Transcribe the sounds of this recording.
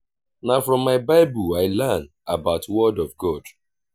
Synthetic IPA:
nafɹɔ̃mːaɪbaɪbuaɪlɛn | abaʊtʰwɔdɔvɡɔd̥

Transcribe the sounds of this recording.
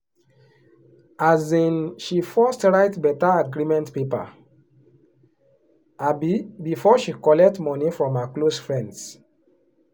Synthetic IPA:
azĩnʃifɔstɹaɪtbɛtaaɡɹimɛ̃ntpepa̰ | abbifɔʃikɔlɛk̚tmɔnifɹɔ̃mhəklosfɹɛ̃nds

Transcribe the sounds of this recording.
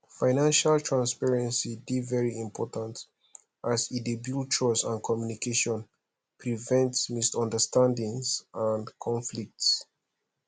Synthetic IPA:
faɪnãnʃaltʰɹãnspɛɹɛ̃nsidivɛɹiĩmpʰɔtãnt | ʔazidebjult͡ʃɔsãnkʰɔmjunikʰeʃɔ̃n | pʰɹivɛ̃ntsmisɔ̃ndəstʰãndĩŋzãnkʰɔ̃nflik̚ts

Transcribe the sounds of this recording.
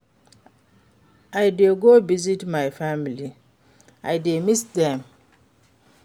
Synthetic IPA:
ajdeɡovizitmajfãmili | ajdemisdɛ̃m

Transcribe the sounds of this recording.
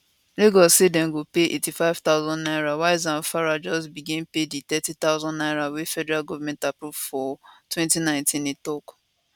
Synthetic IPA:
leɡɔsedɛ̃nɡopeʔetifaɪv̥t̪aʊzɔ̃nnaɪɹawaɪzãnfaɹad͡ʒɔsbiɡĩnpedit̪ɛtit̪aʊzɔ̃nnaɪɾawefɛdɛɹalɡɔvamɛ̃ntapɹuvfɔtwɛ̃ntinãɪ̃ntĩnitɔk

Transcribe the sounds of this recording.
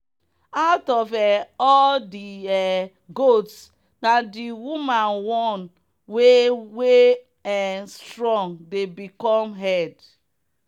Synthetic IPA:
aʊtɔvɛɔldiɛ | ɡots | nadiwumanwɔn | wewe | ɛnstɹɔ̃ŋdebikɔmɦɛd

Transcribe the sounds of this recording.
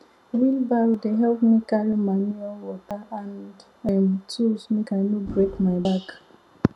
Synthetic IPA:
wilbawdeɦɛlpmikaɹimanualwɔtaãnd | ɛ̃nt͡ʃusmekaɪnobɹekmaɪbak

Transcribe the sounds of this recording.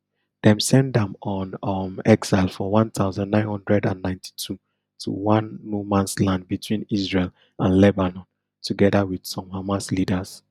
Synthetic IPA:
ð̥ɛ̃msɛ̃ndɛ̃mɔ̃nmɛɡsaɪlˠfɔwãntʰaʊzãnːãɪ̃nhɔ̃ndɹɛdãnːãɪ̃ntʰi̥tʰu | tʰṵwãnːumãnslãnd̚bitʰwĩnisɹel | ʔãnlɛbanɔ̃n | tʰuɡɛdawid̥sɔ̃mhamaslidəz̥

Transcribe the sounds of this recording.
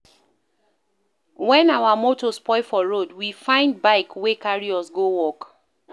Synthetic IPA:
wɛ̃nawamotɔspɔɪfɔɹodwifãɪ̃nd̚baɪkwekaɹiɔsɡowɔk

